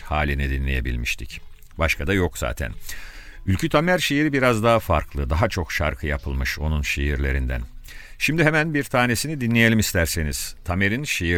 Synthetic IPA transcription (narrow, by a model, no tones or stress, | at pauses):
haːlʲinid̪inlʲe̞je̞̰bḭlʲmiʃt̪ʰic | baʃkʰad̪ajokz̥a̰ːt̪ʰæ̰nylʲcʰyt̪ʰamæɾʃejiɾibiɾazd̪aɦafa̰ɾklˠɯd̪aɦat͡ʃʰo̞kʃa̰ɾkʰɯjapʰɯlˠmɯʃo̞nunʃejiɾlʲe̞ɾind̪æ̰n | ʃimd̪iɦemænbiɾt̪ʰaːne̞sinid̪inlʲeje̞lʲimist̪ʰæɾseniz̥t̪ʰame̞ɾinʃeji